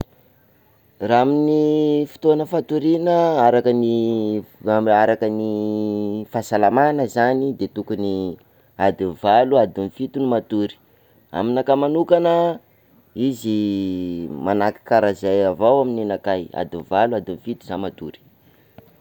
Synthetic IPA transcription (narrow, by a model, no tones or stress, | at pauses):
raaminifi̥t̪oanəfat̪uɾinəaɾakəni | aɾakəni | fasalamanəzanid̪et̪ukuni | ad̪invaluad̪inifit̪unimat̪uɾi̥ | a̰minakamanukanə | izi | manaki̥kaɾazajavawamininakaja̰d̪invaluad̪infit̪uzamat̪uɾi̥